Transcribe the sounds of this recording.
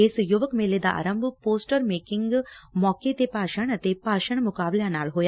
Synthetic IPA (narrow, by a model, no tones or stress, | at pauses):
ɪsjʊʋəkmeːled̪aʔa̰ːɾəmbʱpoːsʈəɾmeːkɪ̃ŋɡmɔːket̪epaːʃəɳ̃ət̪epaːʃəɳ̃mʊkaːbljãnaːlɦoːja